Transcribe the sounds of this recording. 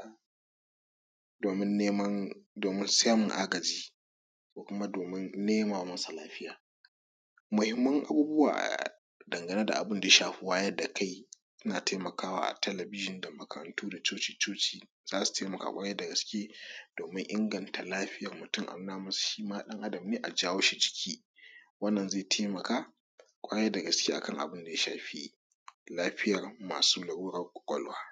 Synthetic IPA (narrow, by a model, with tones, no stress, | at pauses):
doː˨mɪ˦nːeː˦mɐ˦ndoː˨mɪ˦nsaː˦mʊ˨ŋʔa˦ɡɐ˨d͡ʒiː˦ | koː˨kʷʊ˦ma˦doː˨mɪ˦nneː˦maː˨wmɐ˦sa˨laː˦ɸɪ˦jaː˨ | mʊ˨hɪ˦mːɐ˦ŋʔa̰˨buː˦bʊ˦wa̰ː˨ʔ | dɐ˨ŋɡɐ˨ne˦da̰˨ʔa̰˨bʊ˦nda˨je˦ʃaː˨ɸu˨˦waː˦jɐ˦da˨kʰa˦j | sɪ˦naː˨ta˦mɐ˨kaː˦wa̰ː˦ʔa̰˨tɛ˦lɐ˨bɪ˦ʒɪ˨nda˨mɐ˨kʰɐ˨ɾɐ̰˨ntuː˦da˨t͡ʃoː˦t͡ʃiː˨t͡ʃoː˦t͡ʃiː˨ | zaː˦su̥˨teː˦mɐ˨ka̰ː˦˨kʷʼaː˦jɛ˦da˨ɡɐ˨˦skʲeː˦d̥oː˨mɪ˦ŋʔɪ˦ŋɡɐ˨nta˨laː˦ɸɪ˦jɐ˨rmʊ˨tʊ˦ŋʔa̰˨mː˦naː˦mɐ˦su̥˨ʃiː˦maː˦ɗɐ˦ŋʔa˦dɐ˨mneː˦ʔa˨d͡ʒaː˦woː˦ʃi˦d͡ʒɪ̥˦kʲʰiː˦ | wɐ˦nːɐ˨nzeː˦˨tʰeː˦mɐ˨kaː˦ | kʷʼaː˦jɛ˦da˨ɡɐ˨skʲeː˦ʔa̰˨kɐ˦ŋʔa̰˨bʊ˦nda˨ja˦ʃa̰ː˨ɸi˦ | laː˦ɸɪ˦jɐ˨rma̰ː˨suː˦lɐ˨ɽuː˦ɽɐ˦rkʷʼʊ̥˨kʷʼɔ̰˦lwaː˦